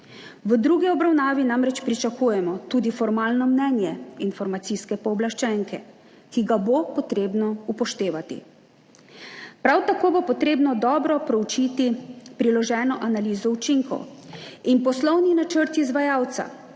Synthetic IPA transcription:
ʋəd̪ɾuɡiɔbɾawnaːʋinamɾɛt͡ʃpɾit͡ʃakuːjɛmɔt̪uːd̪ifɔɾmaːlnɔmnɛnjɛinfɔɾmat̪siskɛpɔːblaʃt͡ʃɛŋkɛ | kiɡabopɔt̪ɾeːbnɔupɔʃt̪eːʋat̪ḭ | pɾawt̪akoːbopɔt̪ɾeːbnɔd̪ɔːbɾɔpɾɛwt͡ʃiːt̪ipɾilɔʒɛːnɔʔanaliːzɔut͡ʃiŋkɔ̰w | inpɔslɔwninat͡ʃəɾt̪izʋajaːwt̪sa̰

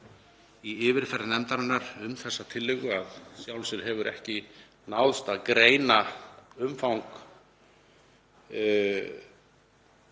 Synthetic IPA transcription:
iɪːvɪɾ̥fɛɾɪnɛmt̪aɾanːaɾʏmθɛsːat̪ʰɪlːɪɣʏaðsjawlsʏɾɦɛvʏɾʔɛ̰hcɪ | nawðst̪aðkɾeːjnaʏmfawŋk

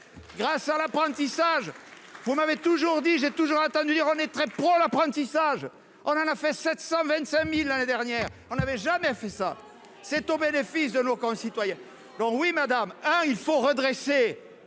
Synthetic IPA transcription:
ɡʁasalapχɑ̃t̪isaʒ | vumavet̪uʒuʁd̪iʒet̪uʒuʁɑ̃t̪ɑ̃d̪yd̪iʁɔ̃nɛt̪χɛpχolapχɑ̃t̪isaʒ | ɔ̃nɑ̃nafɛsɛt̪sɑ̃vɛ̃nt̪sɛ̃milːaned̪ɛʁnjɛʁɔ̃navɛʒamɛfɛsa̰ | sɛt̪obenefisd̪ənokɔ̃sit̪wajɛ̃ | d̪ɔ̃kwimad̪amɛ̃ilfoʁəd̪ʁese

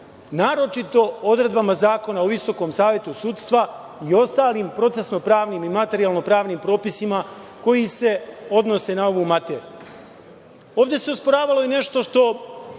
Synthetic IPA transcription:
naːɾo̞t͡ʃit̪o̞o̞d̪ɾe̞d̪bamazaːko̞naoʋiso̞ko̞ːmsaːʋje̞t̪usuːt̪st̪ʋa | io̞st̪aːliːmpɾo̞t̪se̞sno̞pɾaːʋnimimat̪eɾialˠno̞pɾaːʋniːmpɾo̞ːpisimako̞jise̞o̞d̪no̞se̞nao̞ʋumat̪eːɾijuu | o̞ːʋd̪ʲeseospoɾaːʋalˠo̞ine̞ʃt̪o̞ʃt̪o̞

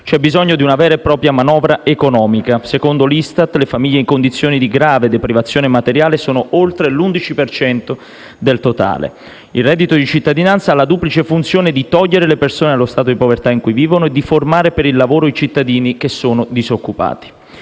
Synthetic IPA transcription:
t͡ʃɛbːizɔɲːod̪iunavɛːɾaepːɾɔːpɾjamanɔːvɾaekonɔːmikasekond̪olist̪at̪lefamiʎːeiŋkond̪it̪sːjoːnid̪iɡɾaːved̪epɾivat̪sːjoːnemat̪eɾjaːlesoːnoʔolt̪ɾelund̪it͡ʃipert͡ʃɛnt̪o | d̪elt̪ot̪a̰ːlḛ | ilrɛd̪ːit̪od̪it͡ʃit̪ːad̪inant̪salːad̪uːplit͡ʃefunt̪sjoːned̪it̪ɔʎːeɾelepersoːnealːost̪aːt̪od̪ipovert̪aiŋkujviːvonoed̪ːiformaːɾepeɾilːavoːɾoit͡ʃit̪ːad̪iːnik̟esːoːnod̪izokːupa̰ːt̪i̥

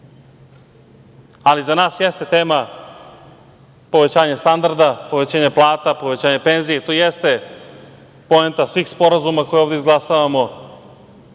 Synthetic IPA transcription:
alizanaːsjest̪e̞t̪eːma | po̞ʋe̞t͡ɕaːɲest̪and̪aɾd̪apo̞ʋet͡ɕaːɲeplˠaːt̪apo̞ʋe̞t͡ɕaːɲe̞pe̞nzijet̪oːjest̪e̞ | po̞ent̪asʋiːxspo̞ɾazumako̞jeoʋd̪ʲeizɡlˠasaʋamo̞

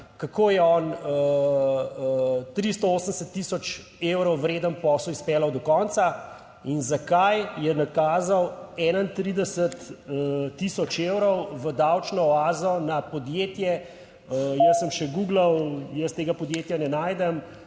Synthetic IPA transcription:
kakojɛɔnə | t̪ɾist̪ɔoːsənd̪ɛsət̪ːisɔt͡ʃ | ewɾɔwːɾeːd̪ənpɔsɔispɛːlɐwd̪ɔkɔnt̪sa | inzakajjɛnakaːzɐwɛnaint̪ɾid̪ɛsət̪ː | isɔt͡ʃewɾɔwʋəd̪awt͡ʃnɔɔaːzɔnapɔd̪jeːt̪jɛ | əjəsːəmʃɛɡuːɡlɐwjəst̪eːɡapɔd̪jet̪janɛnaːjd̪ɛm

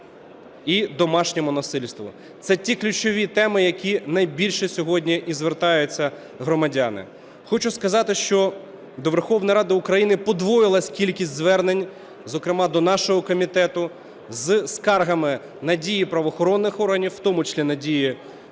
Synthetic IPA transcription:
id̪ɔmɑʃnʲɛmʊnɐsɪlʲst̪ʋʊ̰ | t̪sɛtʲiklʲʊt͡ʃɔʋʲit̪ɛmɪjɐkʲinɐjbʲilʲʃɛsʲɔɦɔdʲnʲiʔizʋert̪ɑjʊt͡sʲːɐ | ɦɾɔmɐdʲɑnɪ̰ | xɔt͡ʃʊskɐzɑt̪ɪʃt͡ʃɔ | d̪ɔʋerxɔwnɐjɾɑd̪ɪʊkɾɐjinɪpɔd̪ʋɔjɪlˠɐsʲkʲilʲkʲisʲtʲzʋɛrnenʲ | zɔkɾɪmɑd̪ɔnɑʃɔɦɔkɔmʲit̪ɛt̪ʊ | zskɑrɦɐmɪ | nɐdʲijipɾɐʋɔxɔɾɔnːɪxɔrɦɐnʲiwːt̪ɔmʊt͡ʃɐ̥slʲinɐdʲiji

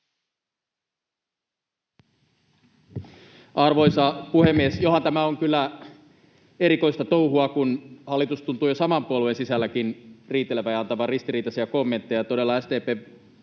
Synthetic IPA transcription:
ɑrʋo̞jsɑpuhemːiesjo̞ɦɑnt̪æmæoŋkylːæ | e̞ɾikoist̪ɑt̪o̞uhuɑkunhɑlːit̪ust̪unt̪uːjosɑmɑmpuoluensisælːækinriːt̪ːeleʋæjɑɑnt̪ɑʋɑrist̪iɾiːt̪ɑsiækomːe̞nt̪ːejɑt̪o̞de̞lːɑæst̪eːpeː

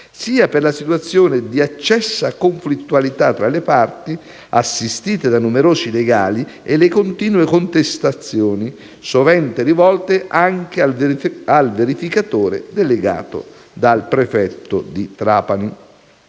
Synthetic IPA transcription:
siːaperlasit̪uat̪sːjoːned̪iat͡ʃːɛsːakoɱflit̪ːualit̪at̪ːɾalepart̪i | asːist̪iːt̪ed̪anːumeɾoːzileɡaːlielekont̪iːnwekont̪est̪at̪sːjoːni | sovɛnt̪erivɔlt̪eʔaŋk̟eaalveɾifikat̪oːɾḛd̪eleɡa̰ːt̪ʊ̰ | d̪alpɾefɛt̪ːʊ̰d̪it̪ɾaːpani

